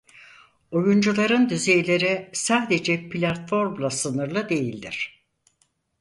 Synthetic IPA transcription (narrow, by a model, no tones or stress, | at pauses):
o̞jund͡ʒulˠaɾɯnd̪yzejlʲe̞ɾisaːd̪e̞d͡ʒɛpʰlʲat̪fo̞ɾmlˠasɯnɯɾlˠɯd̪e̞jilʲd̪iɾ̥